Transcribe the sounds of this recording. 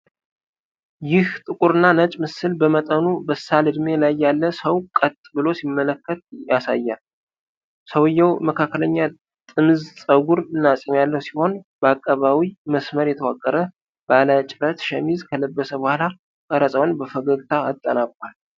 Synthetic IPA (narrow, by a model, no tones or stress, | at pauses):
jɪht̪ʼɨkʼuɾɨnːanət͡ʃʼmɨsɨlbəmət̪ʼənubəsːalɨd̪me̞lajːalːəsəwkʼət̪ʼːbɨlo̞simːələkːət̪̚jasa̰jːal | səwjːəwməkʰakːələɲːa | t̪ʼɨmɨzsʼəɡuɾɨnːasʼimjalːəhusiho̞nbəakʼːəβawiməsməɾjɛt̪ʰəwakʼːəɾə | b̥alət͡ʃʼɪɾət̪ʃɛmizkʰələbːəsəbəhala | kʼəɾəsʼəwnbəfəɡəɡt̪ʰaːt̪ʼːənabʼal